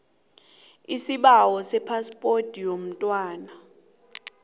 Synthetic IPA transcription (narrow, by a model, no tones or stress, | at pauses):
isiɓawɔsɛpʰaspʼotʼijom̩tʼwaːna